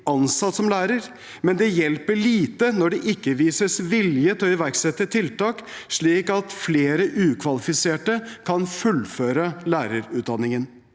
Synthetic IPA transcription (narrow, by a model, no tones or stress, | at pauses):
ɑnsɑt̪ːsɔmlæːɾəɾ | mɛnd̪ɛjɛlpəɭiːt̪ənɔɖɛʔɪkːəʋiːsəsʋɪljət̪ɔɪʋæɾɡsɛt̪ːət̪ʰɪlt̪ɑːkʂɭiːkɑt̪fleːɾəʔʉːkʰʋɑlɪfɪseːʈəkʰɑnfʉlføːɾəlæːɾəɾʉːt̪̚d̪ɑnːɪŋən